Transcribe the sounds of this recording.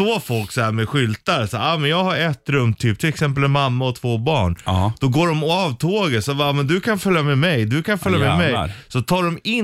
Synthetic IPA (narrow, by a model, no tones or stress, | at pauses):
oːfɔlksɔæːɾmɛɧʏlt̪aɾsaɾaːmɛnjɑːɡhaɾɛt̪ːɾɵmːt̪ʰyːp̚t̪ʰɪlɛksɛmp̬əlɛnmːamːaɔt̪ʰvoːbɑːɳd̪̥ɔɡoːɖɔmɔɑvt̪ʰoːɡət̪sɔbamɛnd̪ɵkʰanfœljamɛmɛjd̪ɵkʰanfœljamɛmɛjsɔt̪ʰɑːɖɔmɪ